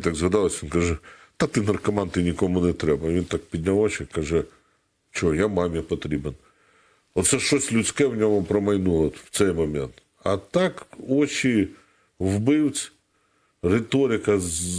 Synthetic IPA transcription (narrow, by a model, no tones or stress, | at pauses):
t̪aɡzɦɐd̪ɑlˠɐsʲʋinkɐʒɛt̪at̪ɪnɐrkɐmɑnt̪ɪnʲikɔmʊnɛt̪ɾɛbɐʋʲint̪ak̚pʲid̪ʲnʲɐɔt͡ʃɛkɐʒɛ | t͡ʃɔɔjamamjapɔt̪ɾʲiben | ɔt̪sɛʃɔsʲtʲlʲʊt͡sʲkɛwnʲɔmʊpɾɔmɐjnuɔt̪w̥t̪sɛjmɐmʲɛnt̪ | ɐt̪ɑkɔt͡ʃʲi | wbɪwt͡sʲ | ret̪ɔɾʲɪkɐ